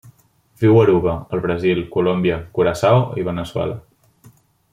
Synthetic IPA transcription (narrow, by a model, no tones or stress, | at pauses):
viwəɾuβəəlˠβɾəzilˠkulombiəkuɾasawiβ̞ənəswɛ̰lə